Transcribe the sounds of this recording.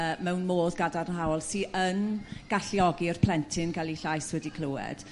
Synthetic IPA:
əmɛwnmoːðɡadarnɦawlˠsiːʔənɡ̥aɬiɔɡiɔr̥pʰl̥ɛntʰɪnɡalˠiɬajswɛdikʰl̥ˠowɛ̰d̥

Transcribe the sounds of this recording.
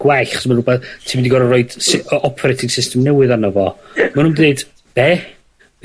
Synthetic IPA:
ɡwajɬɔ̥smanrʊbɛθtʰiːmɪndiɡɔɾərɔɨd̥sɪɔpʰɔɾɛtʰɪɡ̥sɪstəmnɛwɨðanɔvɔmanundineɨd̥ | b̥ɛ

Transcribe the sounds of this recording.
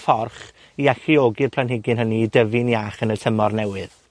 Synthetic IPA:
fɔrχ | iaɬioːɡɪrpʰl̥ˠanɦɪɡɨnɦəniːdəvɪnjaχənətʰəmɔrnɛwɨð

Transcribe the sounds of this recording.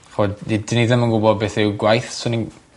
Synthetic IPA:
χodidɪniðɪmənɡʊbɔbeːθɪwɡwajθsʊni

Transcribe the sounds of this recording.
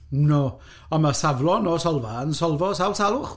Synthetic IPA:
no | ɔnmasavlˠɔnɔsɔlˠvansɔlˠvɔsawsalˠʊχ

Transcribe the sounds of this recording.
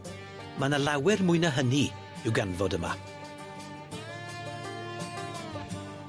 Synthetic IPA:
manəlˠawɛrmʊɨnəɦəni | ɪwɡanvɔdəma̰

